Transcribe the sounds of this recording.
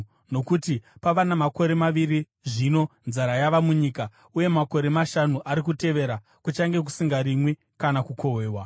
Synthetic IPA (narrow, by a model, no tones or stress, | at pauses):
no̞kutipaʋanamako̞ɾe̞maʋiri | ʐino̞nzaɾajaʋamuɲiːka | uje̞mako̞ɾe̞maʃanuʔaɾikute̞ʋe̞ɾa | kut͡ʃaŋɡe̞k̬u̥siŋɡaɾimwe | kanakukʰo̞weːwa